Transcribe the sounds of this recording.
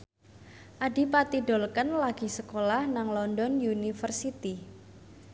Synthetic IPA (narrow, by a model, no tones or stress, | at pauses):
ʔaɖi̤pat̪iɖɔ̤lkənlaɡ̥i̤səkolahnaŋlɔndɔnjunifərsit̪i